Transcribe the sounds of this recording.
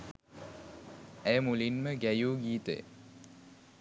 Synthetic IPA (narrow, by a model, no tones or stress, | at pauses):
æjəmulinməɡæjuːɡiːt̪ḛ